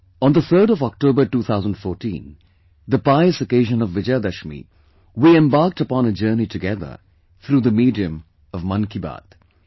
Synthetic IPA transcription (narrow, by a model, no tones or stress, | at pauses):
ə̃nd̪əθəːɾɔvɔk̚ʈoːbəʈuːt̪ʰaʊzə̃ndfɔːʈĩn | d̪əpaɪəsəkeɪʒə̃nʌvːɪd͡ʒjad̪ʌʃmḭ | wiɛ̃mbaːɾk̚təpɔ̃nəd͡ʒɜːnitɨɡɛðə̰˞ | θɾuːðəmiːdiɨ̃m | ʌvmʌ̃nkiba̰d̪̥